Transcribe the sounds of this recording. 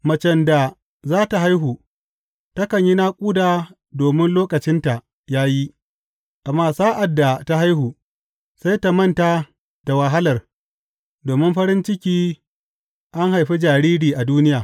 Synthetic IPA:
mɐ˨t͡ʃɛ˨nda˨ | zaː˦ta˨ɦa˦jɦu˨ | tɐ˦kɐ˨ɲji˦naː˦kʷʼuː˦daː˨ | doː˨mɪ˦nloː˦kɐ˨t͡ʃɪ˦nta˨ | jaː˦ji˦ | ʔa˨mːaː˦saː˦ʔa˨dːa˨ta˦ɦa˦jɦuː˨ | sa˦jta˨mɐ˦˨nta˦ | d̥a˨wa˨ɦa˦lɐ˨r | doː˨mɪ˦mɸɐ˦ɾɪ˦nt͡ʃɪ˦kʲiː˦ | ʔa˦ŋha˨jɸi˦d͡ʒaː˨ɾiː˦ɾiː˨ʔa˨duː˦nɪ˦jaː˨

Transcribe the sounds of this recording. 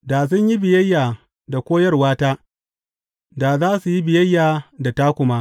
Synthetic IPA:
da˨s̬ʊ˦ɲji˦bɪ˨jɐ˦jːaː˨ | da˨kʷoː˦jɐ˦rwaː˦taː˦ | daː˨zaː˦su˨ji˦bɪ˨jɐ˦jːaː˨da˨ta˦kʷʊ˦ma˦

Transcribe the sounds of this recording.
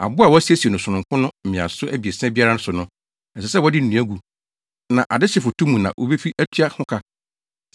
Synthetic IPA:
a̰˨bʊ˦a˨wɔ˦æ˦si˦æ˦si˨e˨nʊ̃˨sʊ˨nʊ̃˨ŋkʰʊ̃˦nʊ̃˦m̩˨mɪ̃˨a̰˨sʊ˦ʔæ˦bi˨e˨sɛ̃˦bi˦a˦ɾa˦ʊ̃˦sʊ˨nʊ̃˦ | ɛ˨sɛ˨sɛ˦wɔ˦dɪ˦n̩˨nũ˨˦æ˦ɡu˨ | nã˨ʔa˨dɪ˦ɕɪ˦˨fʊ˨tʰũ˦mũ˨nã̰˨ʔo̰˦be˦fi˦ʔæ˦tʰɥa˦hʊ̃˦kʰa˦

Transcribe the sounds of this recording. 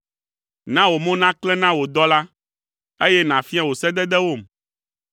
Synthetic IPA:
nã˦wo˨mõ˦nã˦klɛ˦nã˦wo˨d̪ɔ˦la˦ | e˦jɛ˦nã˨fi˦ã˦˨wo˨sɛ˦d̪ɛ˦d̪ɛ˦wo˦˨m

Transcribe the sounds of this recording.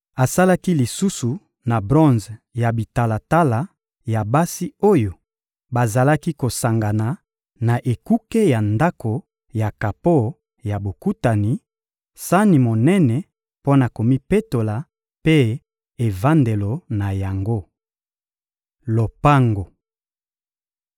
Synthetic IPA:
a˨sa˦la˦ki˦li˨su˦su˨ | na˨bʁɔ̃˦nzja˨bi˨ta˨la˨ta˦la˨ | ja˨ba˦si˦o˦jo˨ | ba˨za˨la˦ki˦ko˨sa˨ŋɡa˨na˨ | na˨ʔe˨ku˦ke˦ja˨nda˦ko˨ | ja˨ka˨po˦ | ja˨bo˨ku˦ta˨ni˨ | sa˦ni˨mo˨nɛ˦nɛ˨ | po˦na˨ko˨mi˦pe˦to˨la˨ | pe˦ | e˨va˦nde˨lo˨na˨ja˨ŋɡo˦ | lo˨pa˦ŋɡo˨

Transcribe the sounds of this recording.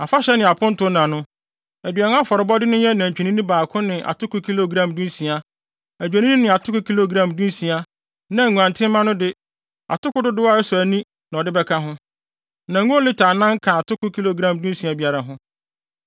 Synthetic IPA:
a˨fa˦ɕɛ˦nɪ̃˨a˨pʰʊ̃˦n̩˦tʊ˦nã˨nʊ̃˦ | æ˨dɥa˨ñ˦a˦fɔ˨ɾɪ˨˦bɔ˦dɪ˦nʊ̃˦jɛ˦nã˨ɲ˨t͡ɕᶣi˨nĩ˦nĩ˦baː˨kʰʊ̃˦nɪ̃˨ʔa̰˨tʊ˦kʊ˦kʰi˦lo˦˨ɡɾã˨mdũ˦n˦sĩ˨a˨ | æ˨d͡ʑᶣæ˨nĩ˦nĩ˦nɪ̃˨a˨tʰʊ˦kʊ˦kʰi˦lo˨ɡɾã˨mdũ˦n˦sĩ˨a˨ | nã˨ŋʷũ˨ã˨ntʰɪ̃˦mã˦nʊ̃˦dɪ˦ | a̰˨tʊ˦kʊ˦dʊ˦dɪ˦wa˦ɛ˦sʊ˨æ˨nĩ˦ | nã˨ɔ˨dɪ˦bɛ˦kʰa˦ɦʊ̃˦ | nã˨ŋũ˦lɪ˦tʰaː˨nã˦ŋ̩˦kʰã˨a˨tʰʊ˦kʊ˦kʰi˦lo˨ɡɾã˨mdũ˦n˦sĩ˨a˨bi˦a˨ɾa˨ɦʊ̃˦

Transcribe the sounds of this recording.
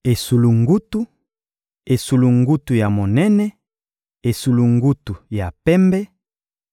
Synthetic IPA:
e˨su˨lu˨ŋɡu˦tu˦ | e˨su˨lu˨ŋɡu˦tu˨ja˨mo˨nɛ˦nɛ˦ | e˨su˨lu˨ŋɡu˦tu˨ja˨pɛ˦mbɛ˦

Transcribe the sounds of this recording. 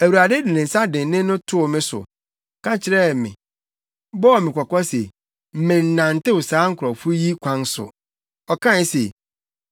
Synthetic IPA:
æ˨wu˨ɾa˨de˦di˨nɪ̃˨n̩˨sa˦dɪ̃˨˦nɪ̃˦nʊ̃˦tʰʊ˦ɔ˨mɪ̃˦sʊ̰˨ | kã˦t͡ɕʰɪ˨ɾɛ˦˨mɪ̰̃˨ | bɔ˦˨mɪ̃˨kʰɔ˨kɔ˦se˨ | m̩˦mɪ̃˨n̩˦˨nã˨n̩˨tɪ˦wʊ˨saː˨˦ŋ̩˦kʰɾɔ˨fʊ˦ji˦kʷʰã˦n˦sʊ̰˨ | ɔ˨kʰã˦˨˦se˨

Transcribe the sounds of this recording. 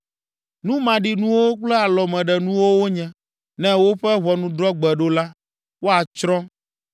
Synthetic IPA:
nũ˦mã˨ɖi˨nũ˦wo˦k͡plɛ˦a˨lɔ˨mɛ̃˨ɖɛ˨nũ˦wo˦wo˦ɲɛ̃˨ | nɛ̃˦wo˦ɸɛ˦βɔ˨nũ˦d̪ɾɔ˦ɡ͡bɛ˨ɖo˦la˦ | wo˦a˨t͡ʃɾɔ̃˦

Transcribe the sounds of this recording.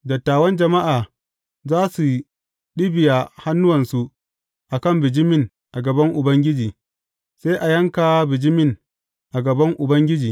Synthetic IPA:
dɐ˨tːaː˨wɐ˦nd͡ʒɐ˨ma˦ʔaː˨ | zaː˦su˨ | ɗɪ˦bɪ˨ja˨ha˦nːʊ˦wɐ˨nsu˨ʔ | ʔa˨kɐ˦˨mbɪ˨d͡ʒɪ˦mɪ˦˨ŋ | ʔa˨ɡɐ˨bɐ˦ŋʔʊ˨bɐ˦ŋɡʲɪ˦d͡ʒiː˨ | seː˦ʔa˨jɐ˦ŋkaː˨wbɪ˨d͡ʒɪ˦mɪ˦˨ŋ | ʔa˨ɡɐ˨bɐ˦ŋʔʊ˨bɐ˦ŋɡʲɪ˦d͡ʒiː˨

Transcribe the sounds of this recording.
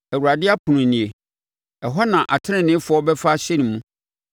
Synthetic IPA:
æ˨wu˨ɾa˨dɪ˦a˦pʰũ˨nũ˨nĩ˨e˨ | ɛ˨ɦɔ˦nã˨ʔa˨tʰɪ˦ɪ̃˦˨nɪ̃˦fʊ˨˦ɔ˦bɛ˦fa˦ɕɛ˦nĩ˨mũ˦

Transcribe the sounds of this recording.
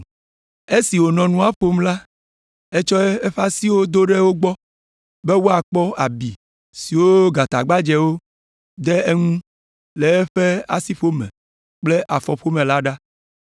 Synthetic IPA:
e˦si˨wo˨nɔ̃˨nũ˦a˨ɸo˦mla˦ | e˦t͡ʃɔ˦ɛ˦e˦ɸa˦si˦wo˦d̪o˦ɖe˦wo˦ɡ͡bɔ˦ | be˦wo˦a˨k͡pɔ˦a˨bi˨ | si˨wo˦ɡa˨t̪a̰˨ɡ͡ba˦d͡ʒe˦wo˦ | d̪e˦e˦ŋũ˦ | le˨ɛ˦ɸe˦a̰˦si˦ɸo˦mḛ̃˨ | k͡ple˦ʔa˨fɔ˨ɸo˦mẽ˨la˦ɖa˦

